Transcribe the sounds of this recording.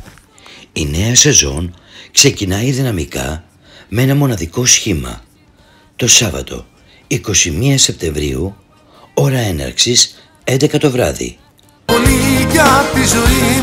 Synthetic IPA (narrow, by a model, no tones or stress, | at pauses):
ine̞ɐse̞zo̞n | kse̞cinɐiðinɐmikɐ̰ | mee̞nɐmo̞nɐðiko̞sçimɐ̰ | t̪o̞sɐvɐ̰t̪o̞̰ | iko̞simiɐse̞p̚t̪e̞ɱvɾḭu | o̞ɾɐe̞nɐ̰ɾksis | e̞nd̪e̞kɐt̪o̞vɾɐ̰ðḭ | poliʝɐtizoi